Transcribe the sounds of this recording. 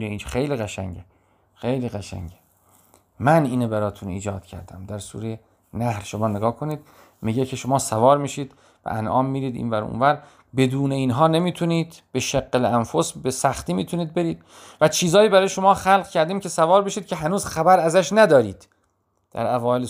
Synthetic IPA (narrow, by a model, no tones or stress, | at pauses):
neinxejliːɣæʃæ̰ŋɟe | xejliːɣæʃæ̰ŋɟe | mæniːnebæɾɒːt̪ʰunḭːd͡ʒɒːd̪̥cʰæ̰ɾd̪æ̰md̪æɾsṵːɾeje | næhɾʃomɒːneɡɒːkʰo̞niːd̪ | miɟekʰeʃomɒːsævɒːɾmiːʃiːd̪ | bæ̰ʔænʔɒːmːiːɾiːd̪ḭːnvæɾṵnvæɾ | be̞d̪uːne̞iːnɦɒːne̞miːt̪ʰuniːd̪̥ | b̥eʃeɡːeleænfosbesæxt̪iːmiːt̪ʰuniːd̪̚be̞ɾiːd̪̥ | væt͡ʃʰiːzɒːjiːbæɾɒːjeʃo̞mɒːxælʁcʰæɾd̪iːmcʰe̞sævɒːɾbeʃiːd̪̚cʰe̞ɦænuːzxæbæɾæzæʃnæd̪ɒːɾiːd̪̥ | d̪̥æ̰ɾævɒːele